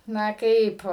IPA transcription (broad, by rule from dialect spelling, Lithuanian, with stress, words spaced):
ˈnɐ ˈkɐɪp